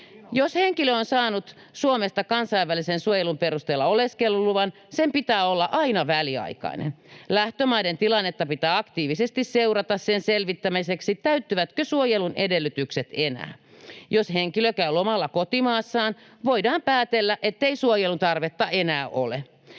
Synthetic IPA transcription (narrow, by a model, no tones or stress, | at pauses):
josheŋkiløonsɑːnut̪ | suomest̪ɑkɑnsɑiʋːælisensuojelumpeɾust̪eːlːɑoleskelːuluʋɑn | sempit̪æːolːɑʔɑinɑʋæliɑ̰ikɑ̰inḛnlæht̪ømɑident̪ilɑnːet̪ːɑpit̪æːɑkt̪iːʋisest̪isseurɑt̪ɑssenselʋit̪ːæmiseksit̪æyt̪ːyʋæt̪køsuojelunedelːyt̪ykset̪enæ̰ː | josheŋkiløkæyomɑlːɑkot̪imɑːsːɑːn | ʋoidɑːmpæːt̪elːæʔet̪ːeisuojelunt̪ɑrʋet̪ːɑʔenæːʔo̰le